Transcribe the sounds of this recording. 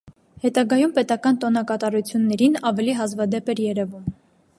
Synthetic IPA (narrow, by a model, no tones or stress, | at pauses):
hɛt̪ɑɡɑjumpɛt̪ɑkɑnt̪ɔnɑkɑt̪ɑɾut͡sʰjunːɛɾinɑvɛliɦɑzvɑd̪ɛpɛɾjɛɾɛvum